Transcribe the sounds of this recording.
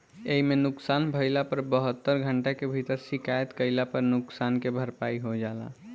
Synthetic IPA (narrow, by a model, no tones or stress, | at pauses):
eimenʊksanbʱəɪlapəɾbəɦət̪ːəɾɡʱəɳʈakebʱit̪əɾsikajət̪kəlapəɾnʊksankebʱəɾpaiɦod͡ʒala̰